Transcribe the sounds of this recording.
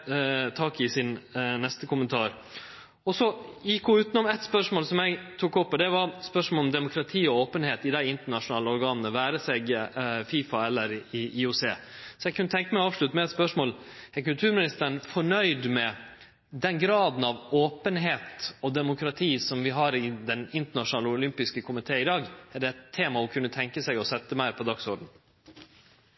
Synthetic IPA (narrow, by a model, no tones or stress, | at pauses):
t̪ʰɑːkɪsɪnnɛst̪əkʊmənt̪ʰɑːɾ | ɔsɔjɪkːɡɔʉːt̪ənɔmɛt̪spœʂmoːlsɔmjɛɪɡt̪ʰuːkɔpːɔd̪ɛʋɑɾspœʂmolɔmd̪ɛmʊkʰɾɑt̪ʰiːɔoːpənheːt̪ɪd̪æɪɪnt̪əɳɑʂʊnɑːləɔɾɡɑːnnəʋæːɾəsɛɡfiːfɑɛlːəɾɪʔiʊseːsɔjɛɡ̚kʰːʉnːət̪ʰɛŋkəmæɪɔɑːʋʂlʉt̪ːəmɛɛt̪spœʂmoːlɛɾkʉlt̪ʰʉːɾmɪnɪst̪əɳfɔɳœʏd̪mɛ | d̪ɛnɡɾɑːd̪n̩ɑʋoːpənɦeːt̪ɔd̪ɛmʊkɾɑt̪ʰiːsɔmʋɪɦɑɾɪd̪ɛnɪnt̪əɳɑʂʊnɑːləʊlʏmpɪskəkʰʊmɪt̪ʰeːɪd̪ɑːɡɛɖɛɛt̪ʰːeːmɑʊkʰʉnːət̪ʰɛŋkəsɛɡɔsɛt̪ːəmæɪɾpʰɔd̪ɑksɔɖɳ̩